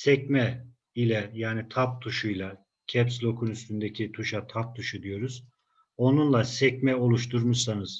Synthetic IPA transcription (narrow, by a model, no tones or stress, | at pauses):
sɛcmɛ | ilʲɛjaːnit̪ʰap̚t̪ʰuʃujlˠa | cʰɛpslʲo̞kʰunyst̪ʰynd̪ecʰit̪ʰuʃat̪ʰap̚t̪ʰuʃud̪ijo̞ɾuz̥ | o̞nunlˠasɛcmɛo̞lˠuʃt̪ʰuɾmuʃsanɯz̥